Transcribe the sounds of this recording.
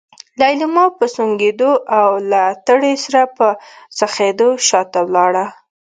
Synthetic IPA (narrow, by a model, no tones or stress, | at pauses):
lajlimɑpəsuŋɡed̪oʔawlat̪əɽesaɾapəsaxed̪oʃɑt̪awlɑɽa